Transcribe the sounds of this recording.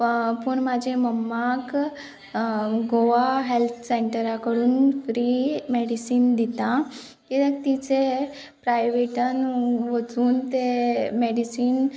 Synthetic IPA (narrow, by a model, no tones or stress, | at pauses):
pəɳmad͡ʑʱeməmːak | ɡoʋaɦelt̪ʰseɳʈəɾakəɽuːnfɾimeɽisiːnd̪it̪ã | k̪it̪ekt̪it͡se | pɾajʋeʈənʋət͡suːnt̪emeɽisiːn